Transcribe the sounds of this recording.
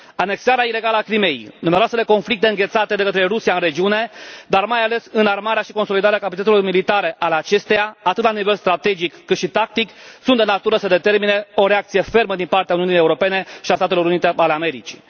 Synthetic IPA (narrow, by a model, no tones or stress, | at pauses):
ane̞ksaɾeaile̞ɡalakɾime̞jnumeɾoase̞leko̞nflik̚t̪eɨŋɡʲe̞t̪sat̪e̞d̪e̞kət̪ɾe̞ɾusijaɨnre̞d͡ʒiune̞d̪armajale̞sɨnarmaɾeaʃiko̞nso̞lid̪aɾeakapat͡ʃ̪it̪et̪silo̞rmilit̪aɾe̞ʔaleat͡ʃe̞st̪ejaat̪ɨt̪lanive̞lst̪ɾat̪e̞d͡ʒikːɨt̪ʃit̪ak̚t̪iksunt̪d̪enat̪uɾəsəd̪e̞t̪e̞rmine̞o̞ɾe̞akt̪sijefe̞rməd̪inpart̪eauniunijeuɾo̞pe̞ne̞ʃiast̪at̪elo̞ɾunit̪ealeame̞ɾit͡ʃi̥̰